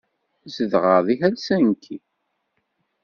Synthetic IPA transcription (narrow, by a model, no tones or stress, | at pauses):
zəðʁəðˤihælsænkʰːi